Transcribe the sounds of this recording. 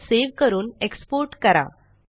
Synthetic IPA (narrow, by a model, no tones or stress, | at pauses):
seʋkəɾuːnekspoɾʈkəɾa̰